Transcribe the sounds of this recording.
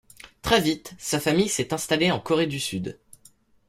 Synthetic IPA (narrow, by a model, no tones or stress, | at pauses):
t̪χɛvit̪safamijsɛt̪ɛ̃st̪aleɑ̃kɔʁed̪ysyd̪